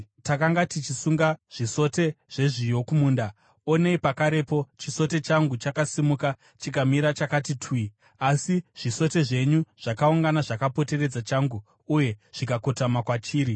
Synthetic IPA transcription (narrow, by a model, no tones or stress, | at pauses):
takaŋɡatit͡ʃisuŋɡaʐ̥iso̞te̞ʐ̥e̞ʐijo̞kumuːnda | one̞ipakaɾe̞po̞t͡ʃiso̞te̞t͡ʃaŋɡut͡ʃakasimuka | t͡ʃikamiɾat͡ʃakatitʰwi | asiʐ̥iso̞te̞ʐe̞ɲuʐ̥akauŋɡanaʐakapo̞te̞re̞d͡zat͡ʃaŋɡuː | je̞ʐ̥ikako̞tamakwat͡ʃiːɾi